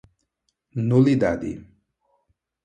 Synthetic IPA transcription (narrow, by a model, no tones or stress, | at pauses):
nulid̪ad̪ḭ